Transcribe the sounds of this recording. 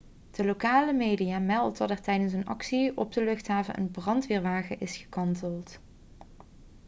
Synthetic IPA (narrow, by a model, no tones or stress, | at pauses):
d̥əlokaːləmejdijaːmɛlˠtɔdəɹtɛjdəns̬ənɑ̰ksiɔb̚dəlɵxtɦaːvənʔə̰nbrɑntʋɪːɹʋaːɣəʔɪsχə̥kɑntəlˠt